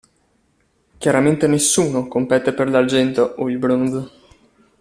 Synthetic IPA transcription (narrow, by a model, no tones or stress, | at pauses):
kjaɾament̪enesːuːnokompɛːt̪eperlard͡ʒɛnt̪oʔoilbɾonz